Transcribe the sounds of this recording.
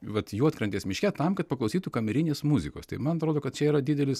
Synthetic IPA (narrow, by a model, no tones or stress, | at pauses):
ʋɐt̪juːɐt̪kɾɐnʲt̪ʲeːsmʲɪʃʲkʲɛt̪ɐmkɐt̪̚pɐklˠʊsʲiːt̪ukɐmʲɛɾʲɪnʲeːsmuzʲɪko̰ːst̪ɐɪmɐnɐt̪ɾoːd̪oːkɐt̪̚t͡ʃʲɛiːɾɐd̪ʲɪd̪ʲɛlʲɪs